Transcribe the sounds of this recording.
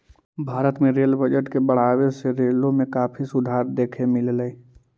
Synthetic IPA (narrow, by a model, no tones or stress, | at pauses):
bʱaːɾət̪mẽɾeːlbəd͡ʒəʈkebəɽ̤aːweseɾeːlõmẽkaːpʰisʊd̪ʱaːɾd̪eːkʰemɪlləi